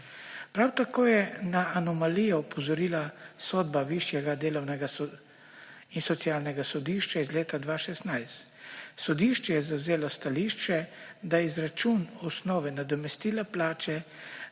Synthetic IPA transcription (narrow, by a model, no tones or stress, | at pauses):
pɾawt̪akoːjɛnaːnɔmalijɔɔpʰɔzɔɾiːlasɔd̪̚baʋiʃjɛɡad̪eːlɔwnɛɡas | insɔt̪sijaːlnɛɡasɔd̪iʃt͡ʃaizleːt̪ad̪ʋaːʃɛst̪najst̪ | sɔd̪iʃt͡ʃɛjɛzawzeːlɔst̪aliʃt͡ʃɛd̪aizɾat͡ʃunɔsnɔːʋɛnad̪ɔmɛst̪iːlaplaːt͡ʃɛ